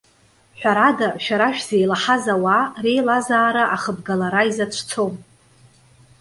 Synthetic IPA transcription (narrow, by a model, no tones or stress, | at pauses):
ħʷᶣaɾadaʃᶣaɾaʃᶣz̥ejlaħazaware̞jlazaːɾaʔaχəbɡalaɾaizat͡ʃʷʰt͡sʰo̞m